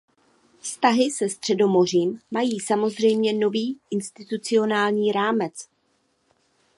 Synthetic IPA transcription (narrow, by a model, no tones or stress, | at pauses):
fst̪aɦɪsɛst̪r̝̥ɛdo̞mo̞r̝iːmːajiːsamo̞zr̝ɛjmɲɛno̞viːʔɪnst̪ɪt̪ut͡sɪo̞naːlɲiːɾaːmɛt͡s